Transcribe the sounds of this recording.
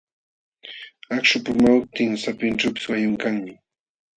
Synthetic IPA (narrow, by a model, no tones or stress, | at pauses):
akʃʊpʊmaw̚t̪ɪŋsapɪnʈ͡ʂawpɪ̥swajʊŋkaŋmɪ